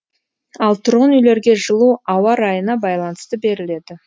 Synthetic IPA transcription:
ɑlˠt̪ʰʊɾʁənʏjle̞ɾɡʲe̞ʒəlˠuɑwɑɾɑjənɑbɑjlˠɑnəst̪əbe̞ɾɪle̞d̪ɪ

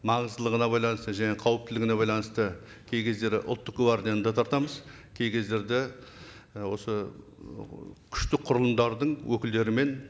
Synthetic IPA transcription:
mɑɴəzd̪əlˠəʁənɑbɑjlˠɑnəst̪əʒæne̞qʰɑwəp̚t̪ɪlɪɡʲɪneɑjlˠɑnəst̪ə | kʲʰe̞jkʲe̞zd̪e̞ɾɪʔʊlˠt̪ːəquɑɾd̪ejand̪ɑt̪ʰɑɾt̪ɑməz | kʲʰe̞jkʲe̞zd̪e̞ɾd̪ɪ | wo̞sə | kʲʰʏ̥ʃt̪ɪk̚qʰʊɾəlˠənd̪ɑɾd̪əɴwɵkʲɪld̪e̞ɾɪme̞n

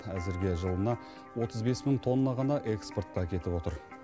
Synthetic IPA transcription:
æzɪɾɡʲe̞ʒəlˠənɑ | wo̞t̪əzbe̞sməŋɴt̪ʰo̞nːɑʁɑnɑʔe̞ksport̪̚qɑkʲʰe̞t̪ɪpo̞t̪əɾ

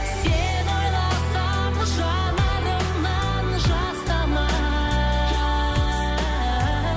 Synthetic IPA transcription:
se | no̞jlˠɑsɑ | m | ʒɑ | nɑno | nɑ | nʒɑst̪ɑmɑ | ʒɑ

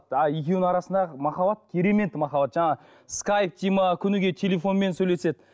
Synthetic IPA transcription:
t̪ɑjekʲewnɴɑɾɑsənd̪ɑmɑχɑbɑt̪̚kʲʰe̞ɾe̞me̞nt̪mɑχɑbɑt̪ʒɑɴɑʁə | skɑjp̚t̪ʰijmɑkʲʰʏnɪɡʲe̞t̪ʲʰe̞lʲe̞fo̞nme̞nsɵjle̞se̞d̪ɪ

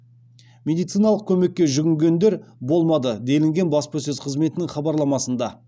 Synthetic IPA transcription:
mʲe̞d̪ijt̪sɨjnɑlˠəq̚kʲʰɵme̞kʲːe̞ʒʏɡʲɪŋɡʲe̞nd̪e̞ɾbo̞lˠmɑd̪əd̪e̞lɪŋɡʲe̞nbɑspəs̬ɵzqʰəzme̞t̪ɪnɪŋχɑbɑɾlˠɑmɑsənd̪ɑ

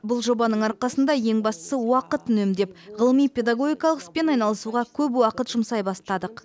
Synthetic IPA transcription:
bʊlˠʒo̞bɑnəɴɑɾqɑsənd̪ɑje̞ŋbɑst̪ə̥səwɑqət̪nɵmd̪e̞pʁəlˠəmijpʲe̞d̪aɡo̞ɡʲijkɑlˠəqəspe̞nɑjnɑlˠəsuʁɑkʲʰɵp̬wɑqət̪ʒ̥ʊmsɑjbɑst̪ɑd̪əq

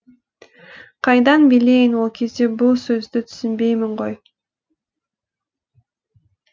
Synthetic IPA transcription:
qʰɑjd̪ɑnbilejnolˠkʰizd̪ibulˠsø̞zd̪yt̪ʰy̥synbe̞jmiɴʁo̞j

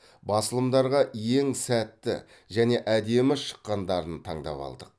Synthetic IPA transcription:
bɑsəlˠəmd̪ɑɾʁɑje̞ŋsæt̪ːɪ̰ | ʒæne̞ʔæd̪e̞mɪʃə̥qːɑnd̪ɑɾənt̪ʰɑɴd̪ɑ̰pɑ̰lˠd̪əq̚

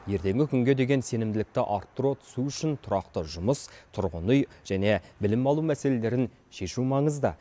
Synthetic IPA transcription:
je̞ɾt̪e̞ŋɡʲɪkʲʰʏŋɡʲe̞d̪e̞ɡʲe̞nse̞nɪmd̪ɪlɪk̚t̪ɪʔɑɾt̪ːɾot̪ʰʏ̥suʏʃɪnt̪ʰʊɾɑqt̪əʒʊməst̪ʰʊɾʁənʊjʒ̥æne̞bɪlɪmɑlˠumæse̞le̞le̞ɾɪn | ʃe̞ʃumɑɴəzd̪ə

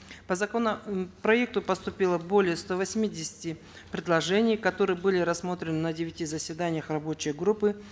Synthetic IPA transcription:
pəzɐkonəpɾɐek̚t̪ʊpəst̪ʊpʲilˠəbo̞lʲɪjəst̪ovɐsʲmʲidʲɪsʲɪ̥tʲɪ | pɾʲɪd̪lˠɐʐɛnʲɪjkɐt̪o̞ɾɨjəbɨlʲɪɾɐsːmo̞t̪ɾʲɪnɨnədʲɪvʲɪtʲizəsʲvʲɪd̪anʲɪjəxrɐbo̞t͡ɕɪjɡɾupːɨ

